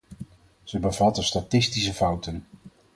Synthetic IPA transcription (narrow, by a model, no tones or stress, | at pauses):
z̥əbəvɑtənstatɪstisəfʌwtən